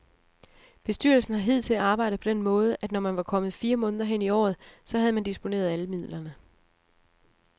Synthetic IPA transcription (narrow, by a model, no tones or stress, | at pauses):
b̥e̝sd̥y̰ɐlsn̩hɑ̈ɦið̞̰ˠt͡sʰe̝æɑ̈ːb̥ɑ̈ɪ̰ɾ̥̩pʰɒ̽d̥en̰mɔ̽ːð̞ˠəʔæd̥nɒmænʋɑ̈kʰɒ̽mð̞̩ˠfiːɐmɔ̽ːnð̞ˠɐɦen̰iɒ̰ːð̞̩ˠsɒ̽ɦæð̞ˠmænd̥isb̥o̝ne̝̰ːɐð̞ˠæləmið̰ˠlɐnə